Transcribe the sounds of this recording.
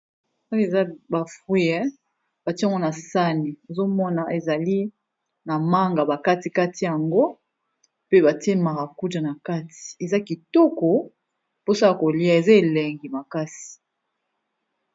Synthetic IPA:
a˦e˨za˦ba˨fi˦jɛ˦ | b̥a˨ti˦a˨ŋɡo˦na˨sa˦ni˨e˨zo˦mɔ˦na˨e˨za˨li˦ | na˨ma˦ŋɡa˨ba˨ka˦ti˨ka˦ti˦ja˨ŋɡo˦ | pe˦ba˨ti˦e˦ma˨ʁa˨ku˦ta˨na˨ka˦ti̥˨e˨za˦ki˨tɔ˦kɔ˨ | po˦sa˦la˨ko˨li˦a˨e˨za˦e˨lɛ˨ŋɡi˨ma˨ka˦si̥˨

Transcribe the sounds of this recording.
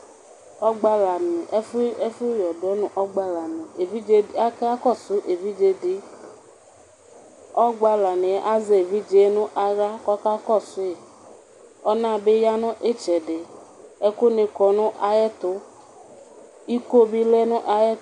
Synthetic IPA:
ɔ˦ɡ͡ba˧la˨mĩ˨˦fɛ˦fʊ˦jɔ˨dɔ˨˦nʊ̃˨ʔɔ˦ɡ͡ba˧la˨mĩ˨e˨vi˦d͡ʒe˦a˦ka˦kɔ˦˨sʊ˨˦ʔe˨vi˦d͡ʒe˧dɪ˦ | ɔ˦ɡ͡ba˧la˨nɪ̃˨ʔa˦ze˨e˨vi˦d͡ʒe˦nʊ̃˦ʔa˨ɾa˦kɔ˦ka˦kɔ˦˨sʊ˨˦e˨ | ɔ˦nã˦˨be˦ja˦nʊ̃˦ʔe˦t͡ʃɛ˨dɪ˨ | ɛ˦kʊ˦ne˧kɔ˨nʊ̃˦ʔa˨jɛ˦t̪ʊ˦ | i˦ko˦bi˦lɛ˦nʊ̃˦ʔa˧jɛ˦

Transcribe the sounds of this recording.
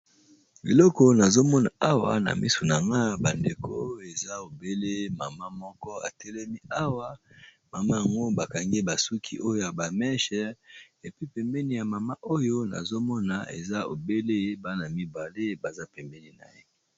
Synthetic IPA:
bḭ˨lɔ˦kɔ˦na˨zo˦mɔ˦na̰˨a˦wa̰˨na̰˨mḭ˦so˨na˨ŋɡa˦ba˨nde˨kʰo˦e˨za˦o˨be˦le˦ma˨ma˦mɔ˦kɔ˦a̰˨tɛ˦lɛ˦mi˦a˦wa˦ | ma˨ma˦ja˨ŋɡo˦ba˨ka˨ŋɡe˦ba˨su˦kʰi˦ʔo˦jo˦ja˨ba˨mɛ˦ʃɛ˦ʁ | e˨pi˦pɛ˨mbɛ˦ni˦˨ja˨ma˨ma˦ʔo˦jo˦na̰˨zo˦mɔ˦na̰˨ḛ˨za˦o̰˨be˦le˦ba˦na˨mi˦ba˨le˦ba˨za˦pɛ˨mbɛ˦ni˦na̰˨je˦

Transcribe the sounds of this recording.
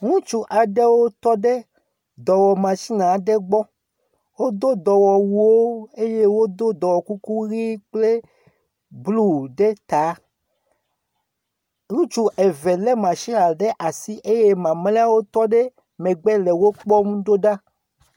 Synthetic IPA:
ŋũ˦t͡ʃu˦ʔa˨ɖe˦wo˦t̪ɔ˦ɖe˦ | d̪ɔ˨wɔ˨mã˨ʃi˦nã˨ɖe˦ɡ͡bɔ˦ | wo˦d̪o˦d̪ɔ˨wɔ˨wu˨wo˦e˦je˦wo˦d̪o˦d̪ɔ˨wɔ˨ku˦ku˦ɣi˦k͡ple˦ | blu˦˨ɖe˦t̪a˨˦ | ŋũ˦t͡ʃu˦ʔe˨vɛ˨lɛ˦mã˨ʃi˦nã˨ɖe˦ʔa˨si˦ʔe˦je˦mã˨mlɛ˦a˦wo˦t̪ɔ˦ɖe˦ | mẽ˨ɡ͡bɛ˦lɛ˨wo˦k͡pɔ˦mũ˦ɖo˦ɖa˦

